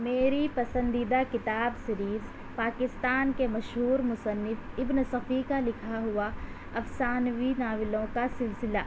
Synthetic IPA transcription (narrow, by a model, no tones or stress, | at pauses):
meːɾipɐsə̃nd̪id̪akɪt̪aːbsɐɾiːz | paːkɪst̪aːnkemɐʃɦuːɾmʊsənːɪfɪbnəsɐfikalɪkʰaɦʊa | ɐfsaːnʋinaːʋɪlõkasɪlsɪla̰ː